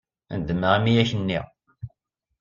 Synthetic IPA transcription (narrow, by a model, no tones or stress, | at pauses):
nd̪əməʁimijæçənːiʁ